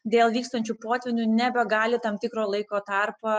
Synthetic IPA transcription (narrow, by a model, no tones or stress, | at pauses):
d̪ʲeːlˠʋʲiːkst̪ɐnʲt͡ʃʲupoːt̪ʲʋʲɪnʲunʲɛbʲɛɡɑːlʲɪt̪ɐmt̪ʲɪkɾoːlˠɐɪkoːt̪ɑrpɐ